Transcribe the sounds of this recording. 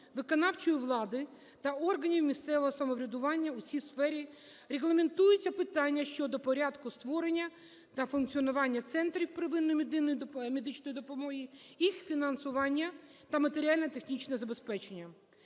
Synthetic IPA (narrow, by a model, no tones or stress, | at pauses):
ʋɪkɔnɑwt͡ʃɔjʊʋlˠɑd̪ɪ | t̪ɐɔrɦɐnʲiwmʲist̪sɛʋɔɦɔsɐmɔʋɾʲɐd̪ʊʋɑnʲːɐʊsʲijsfɛɾʲi | reɣlˠɐment̪ujʊt͡sʲːɐpɪt̪ɑnʲːɐʃt͡ʃɔd̪ɔpɔɾʲɑd̪kʊst̪ʋɔɾenʲːɐ | t̪ɐfʊnkt͡sʲiɔnʊʋɑnʲːɐt̪sɛnt̪ɾʲiwpɾɪʋɪnːɔmʲd̪ɪnːɔj̪mʲed̪ɪt͡ʃnɔjid̪ɔpɔmɔɦijixfʲinɐnsʊʋɑnʲːɐt̪ɐmɐt̪eɾʲiɑlʲnɛt̪e̞xnʲit͡ʃnɛzɐbespɛt͡ʃe̞nʲːɐ